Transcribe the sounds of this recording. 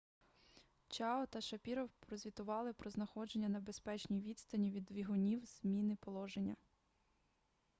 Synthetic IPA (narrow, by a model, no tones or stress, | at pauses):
t͡ʃɑɔt̪ɐʃɐpʲiɾɔwpɾɔzʲʋʲit̪ʊʋɑlˠɪpɾɔznɐxɔd͡ʒe̞nʲːɐnɐbe̞spɛt͡ʃnʲijʋʲit̪st̪ɐnʲiʋʲid̪ʋʲiɦʊnʲiwz̥mʲinɪpɔlˠɔʒenʲːɐ